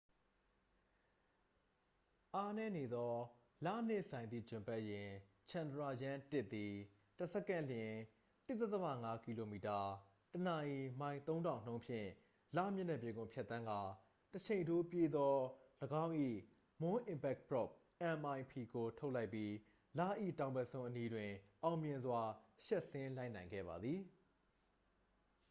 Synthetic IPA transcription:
ʔa˦nɛ˦ne˨d̪ɔ˦ | lä̰˦˨n̥ɪ˦˨sã˨ɪ̃nḭ˦˨d͡ʑɪ̃˨mpɛ˦˨ʔjɪ̃˨ | t͡ɕʰã˨ndəɹa˨jã˦tɪ˦ʔt̪ːi˨ | tə˨sɛ˦˨kã˦˨ljɪ̃˨ | t̪ɪ˦ʔt̪ːɛ˦t̪θə˦ma̰˦˨ŋa˦ki˨lo˨mi˨ta˨ | tənã˨ʔi˨mã˨ɪ̃nt̪õ˦ʊ̃ndã˨ʊ̃n̥õ˦ʊ̃pʰjɪ̰̃˦˨ | lä̰˦˨mjʊ˦˨nɛ˨pje˨ɡʊ̰̃˦˨pʰjɛ˦t̪ːã˦ŋɡa˨ | tət͡ɕʰẽ˨ɪ̃ntʰo˦pje˦d̪ɔ˦ləɡã˦ʊ̃ʔḭ˦˨ | mʊ̃˦ʔɪ̃˨mpɛ˦k̚pɹɔ˦˨p̚ | ʔã˨mʔã˨ɪ̃pʰi˨ɡo˨tʰo˦ʊʔla˦ɪpːji˦ | la̰˦˨ʔḭ˦˨tã˨ʊ̃mbɛ˨sʰõ˦ʔəni˦dwɪ̃˨ʔã˨ʊ̃mjɪ̃˨nzwa˦ʃɛ˦ʔsɪ̃˦la˦ɪʔnã˨ɪ̃ŋɡɛ̰˦˨ba̰˨d̪ði˨

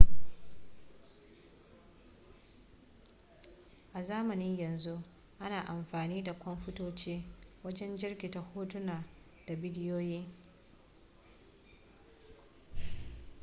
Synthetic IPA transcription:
ʔa˨zaː˦mɐ˨nɪ˦ɲjɐ˨nzu˦ʔ | ʔa˦naː˨ʔa˨mɸaː˨niː˦da˨kʷɔ˦mɸʊ˦toː˦t͡ʃeː˦wɐ˦d͡ʒɛ˦nd͡ʒɪ˦rkʲi˨ta˨hoː˦tʊ˦naː˨ | d̥a˨bɪ˦dɪ˦joː˦jiː˦

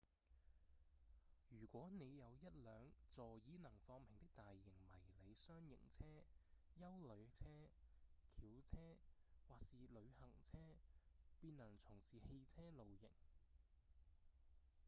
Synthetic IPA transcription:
jyː˨˩kʷɔː˨˥ne˨˧jjɐ˨˧wjɐ˥t̚lœː˨˧ŋt͡sɔː˨jiː˨˥nɐ˨˩ŋfɔː˧ŋpʰɪ˨ŋt̪ɪ˥k̚t̪aː˨jːɪ˨˩ŋmɐ˨˩jle˨˧jsœː˥ŋjɪ̰˨˩ŋt͡sʰɛː˥ | jɐ˥wlɵ˨˧ɥ̚t͡sʰɛː˥kʰiː˨˥wt͡sʰɛː˥waː˨˩k̚siː˨lɵ˨˧ɥhɐ˨˩ŋt͡sʰɛː˥piː˧nːɐ˨˩ŋt͡sʰʊ˨˩ŋsiː˨he˧jt͡sʰɛː˥lo˨wjɪ̰˨˩ŋ

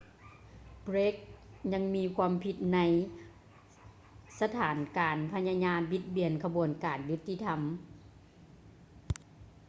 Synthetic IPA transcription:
bɾe˦k̚ɲa˧˥ŋmiː˧˥kʰuː˧˥əmpʰi˧t̪̚na˧˥j | sa˧t̪ʰaː˨˩˦nkaː˨˩npʰa˧˥ɲa˧ɲaː˧˥nbi˧˦t̪̚bi˨˩ənkʰa˧bu˨˩ənkaː˨˩nju˧˦t̪ʰːi˧t̪ʰa˧m

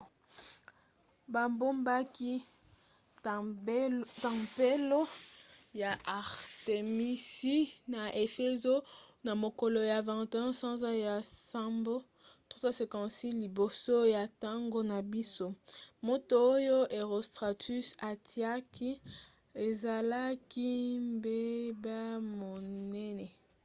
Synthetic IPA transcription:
ba˨mbo˦mba˦ki˦ | tã˨pe˦lo˦ja˨ʔa˨ʁte˨mi˦si˦na˨ʔe˨fe˦zo˦na˨mo˨ko˨lo˨ja˨vɛ̃˨te˨ɛ̃˦sã˦za˦ja˨sa˦mbo˦ | to˦za˦se˨kã˨si˦li˨bo˨so˦ja˨ta˦ŋɡo˦na˨bi˦so˦mo˦to˨o˦jo˦ʔe˨ʁo˨stʁa˨ty˦sa˨ti˨˦a˦ki˦ | e˨za˨la˦ki˦mbe˦ba˦mo˨nɛ˦nɛ˨

